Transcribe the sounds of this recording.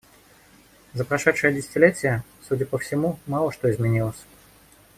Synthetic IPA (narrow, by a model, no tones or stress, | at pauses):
zəpɾɐʂɛt̪ʂɨjədʲɪsʲɪ̥tʲɪlʲetʲɪjəsudʲəpəfsʲɪmumɑlˠəʂt̪o̞ɪzmʲɪnʲilˠəsʲ